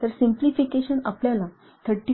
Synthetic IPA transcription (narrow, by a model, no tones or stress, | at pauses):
t̪əɾsĩmplifikeɕənapljala | t̪ʰəɾʈi